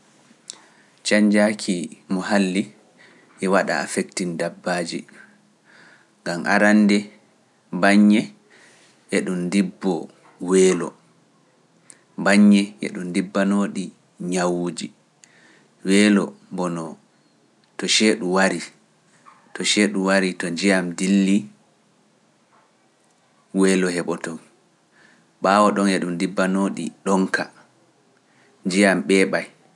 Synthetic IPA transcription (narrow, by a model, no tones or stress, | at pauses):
t͡ʃaɲd͡ʒakʰimɔhalːi | ʔɛwaɗa̰a̰fektindabːaːd͡ʒḭ | ŋɡamʔa̰ɾandɛ | baɲːɛ | ʔɛɗundibːɔ | wɛːlɔ̰ | baɲːɛʔɛ̰ɗundibːanoːɗi | ɲawuːd͡ʒi | wɛːlɔ̰bɔnɔ | tɔʃeɗuwaɾi | tɔʃeɗuwaɾitɔd͡ʒijamdilːi | wɛːlɔhɛɓɔtɔn | ɓaːwɔɗɔnjɛɗumdibːanoːɗḭɗɔŋka | nd͡ʒijamɓɛːɓaj